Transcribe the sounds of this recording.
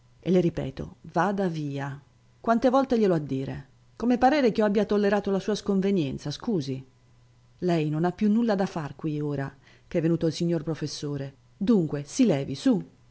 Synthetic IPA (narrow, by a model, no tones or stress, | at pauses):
ḛleɾipɛ̰ːt̪o̰vaːd̪aviːa | kwant̪evɔlt̪eʎeload̪ːiːɾḛ | komepaɾɛːɾekiɔabːjat̪olːeɾaːt̪olasuːaskoɱvenjɛnt̪saskuːzi | lɛjnonapːjunːulːad̪afːarkwioːɾa | keɛvːenuːt̪oilsiɲːorpɾofesːoːɾe | d̪uŋkwesilɛːvisu